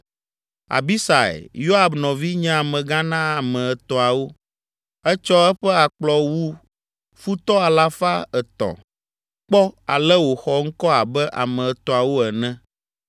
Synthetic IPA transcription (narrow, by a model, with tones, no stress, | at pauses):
a̰˨bi˦sa˨ɛ̰˨jo˦a˨bnɔ̃˨vi˦ɲɛ̃˦a˨mɛ̃˨ɡã˦nã˦a˨mɛ̃˨ɛ˨t̪ɔ˨a˨wo˦ | ɛ˦t͡ʃɔ˦ɛ˦ɸɛ˦a˨k͡plɔ˨wu˦ | fu˦t̪ɔ˦a˨la˦fa˦ɛ˨t̪ɔ̰˨ | k͡pɔ˦a̰˨lɛ˦wo˨xɔ˨ŋ̩˦kɔ˦a˨bɛ˦ʔa̰˨mɛ̃˨ɛ˨t̪ɔ˨a˨wo˦ɛ˨nɛ̃˦